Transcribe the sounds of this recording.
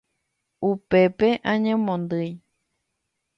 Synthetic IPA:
upepeʔãɲẽmõnd̪ɨj

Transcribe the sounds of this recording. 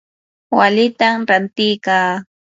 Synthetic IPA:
walɪt̪amɾant̪ɪjkaː

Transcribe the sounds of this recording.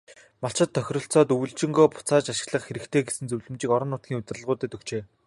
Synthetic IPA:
maɬt͡ɕɪ̆t̪ʰːœxʲrɞ̆ɬt͡sɔːt̪ujɮt͡ɕɪ̆ŋɡoːpʊ̥t͡saːt͡ɕaʃɪ̆ɣɮə̆χxeɾɘ̆kt̪ʰeːɡesɘ̆nt͡sɵwɮɘ̆mt͡ɕiːkɔɾɞ̆nːʊːt̪̚ɡʲiːŋʊt̪̆ʲrə̆ɮʁʊːt̪eːt̪ʰɵkt͡ɕeː

